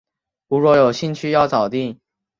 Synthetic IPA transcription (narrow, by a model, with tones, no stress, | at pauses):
u˧˥ɻwɔ˥˩jo˨˩ʊɕi˥˧nt͡ɕʰy˥jɑ˥˩ʊt͡sɑ˨˩ʊt̪i˥˩ŋ